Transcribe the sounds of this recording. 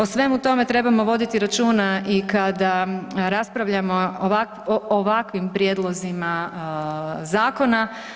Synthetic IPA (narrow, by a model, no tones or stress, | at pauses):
o̞sʋe̞mut̪o̞me̞t̪ɾe̞bamo̞ʋo̞d̪it̪iɾat͡ʃuːnaʔikad̪aɾaspɾaʋʎamo̞ʋak | ooʋakʋimpɾjeːd̪lˠo̞zima | zaːko̞na